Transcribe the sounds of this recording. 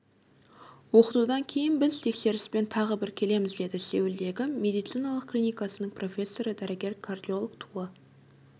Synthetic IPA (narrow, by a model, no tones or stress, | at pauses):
wo̞qət̪ud̪ɑŋkʲʰe̞jɪnbɪzt̪ʰe̞kse̞ɾɪspe̞nt̪ʰɑʁəbɪɾkʲʰe̞le̞mɪzd̪e̞d̪ɪse̞wɪld̪e̞ɡʲɪmʲe̞d̪ijt̪sijnɑlˠəqkːlʲijnijkɑsənəɴpʰro̞fʲe̞sːo̞ɾəd̪æɾɪɡʲe̞ɾkʰard̪ʲio̞lˠəkt̪ʰuə